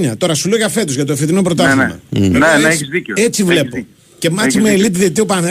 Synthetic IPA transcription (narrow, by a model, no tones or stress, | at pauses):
ɲɐt̪o̞ɾɐsuloʝɐfe̞t̪uzʝɐt̪ofet̪inopɾot̪ɐimɐ̰nɐeçizðioet͡sivle̞po̞ | cemɐt͡simeelipiðet̪iopane